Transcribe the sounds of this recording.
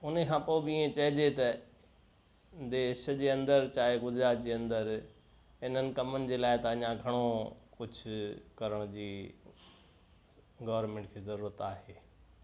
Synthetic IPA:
ʊnkʰãːpoːbɪiːẽt͡ɕɐɦɪd͡ʑet̪ɐ | d̪eːʃd͡ʑeːɐ̃nd̪əɾt͡ɕaːɦeɡʊd͡ʑɾaːt̪̚d͡ʑeːɐ̃nd̪əɾ | ɦɪnənɪ̆kɐmənɪ̆d͡ʑeːlaːɪt̪ɐɐɲãɡʱɐɽ̃okʊd͡ʑʱʰʊkɐɾəɽ̃d͡ʑiː | ɡɐʋəɾmẽːɳʈkʰeːzɐɾuːɾət̪aːɦeː

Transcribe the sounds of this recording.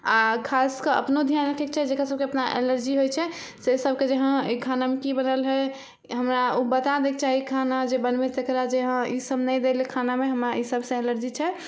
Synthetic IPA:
akʰaskəɾə̰pnod̪ʱjanɾəkʰɛkt͡ʃʰɛd͡ʒekɾasəb̚keəpnaʔḛləɾd͡ʒiɦojt͡ʃʰɛ | sesəb̚ʱked͡ʒeɦə̃kʰanamekibənəlɦɛ | ɦəmɾaobət̪ad̪ek̚t͡ʃaɦikʰanad͡ʒebənbet̪ekɾad͡ʒeɦə̃isəbnɛd̪elekʰanameɦəmɾaisəbsə̃eləɾd͡ʒit͡ʃʰɛ

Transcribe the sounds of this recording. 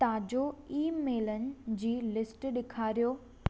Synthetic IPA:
t̪ɐad͡ʑoiːmeːlənɪ̆d͡ʑiːlɪsʈɗɪkʰaːɾijoː

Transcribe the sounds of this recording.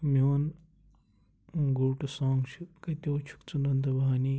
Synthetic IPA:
mʲoːn | ɡuʈusaːŋt͡ʃʰukɐt̪ʲoːt͡ʃʰu̥kt͡sunɐnd̪ɐbʱaːniː

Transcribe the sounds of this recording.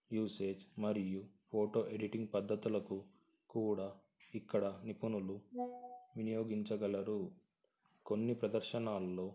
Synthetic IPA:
juːse̞ːd͡ʒmɐɾijupʰoːʈo̞ːʔe̞ɖiʈiŋɡ̚pɐd̪ːɐt̪ulɐku | kuːɽaː | ikːɐɽɐnipunulu | ʋinijoːɡiɲt͡ʃɐɡɐlɐɾu | ko̞nːipɾɐd̪ɐɾʃɐnaːlːo̞ː

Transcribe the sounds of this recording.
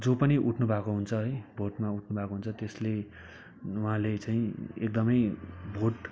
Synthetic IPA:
d͡zopʌniʔuʈʰnubʱakoɦunt͡sʰʌɦʌjbʱoʈmauʈʰnubʱakoɦunt͡sʰʌt̪esle | uɦãlet͡saĩek̚d̪ʌmʌjbʱoʈ

